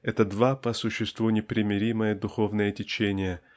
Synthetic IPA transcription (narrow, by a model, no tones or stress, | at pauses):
ɛt̪əd̪vapəsʊɕːɪst̪vunʲɪpɾʲɪmʲɪɾʲiməjəd̪ʊxo̞vnəjətʲɪt͡ɕenʲɪjə